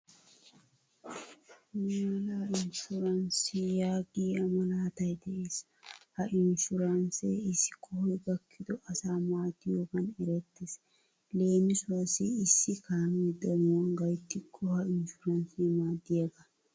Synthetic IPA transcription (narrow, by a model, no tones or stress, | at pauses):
maːlaʔɪnʃʊɾɐnsɪijaːɡiːɐmɐlaːt̪ɐjt̪ɐʔeːs | hɐʔɪnʃʊɾɐnsḛːɪsɪ̥kʰːɔhɔjɡɐkʰːɪd̪ʊʔɐsaːmaːt̪ɪjoːkɐnɛɾɛt̪ːɪs | le̞ːmɪsʊɐsiɪsːɪkaːmid̪ɐmowŋɡɐjt̪ːɪkʰːɔhɐʔɪnʃʊɾɐnsiːmaːd̪ːɪjɐɡɐ